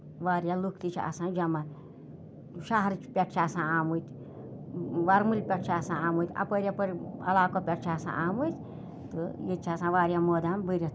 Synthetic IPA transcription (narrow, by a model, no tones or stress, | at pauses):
ʋaːɾʲjalukʰt̪it͡ʃʰɐ̰sãːd͡ʒɐmat̪ʲ | ʃaɦɾt͡ʃʰpʲɐʈʰt͡ʃʰaːsãːaːmut̪ʲ | ʋɐɾmɨlʲpʲɐʈʰt͡ʃʰaːsãaːmuːt̪ʲɐ̰pəɾʲjapəɾʲɐ̰laːkoːpʲɐʈʰt͡ʃʰaːsã̰ːʔaːmujt̪ʲ | t̪ɨjet͡ʃʰɐsãːʋaːɾjaːmoːd̪ambəɾʲɐ